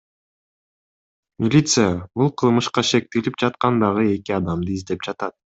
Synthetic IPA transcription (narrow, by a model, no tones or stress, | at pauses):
mʲilʲit̪sɨjabulˠqʰɯlˠmɯʃqɑʃe̞k̚t̪elip̚d͡ʒɑt̪̚qɑnd̪ɑʁɯe̞kiɑd̪ɑmd̪ɯizd̪e̞p̚d͡ʒɑt̪ɑt̪̚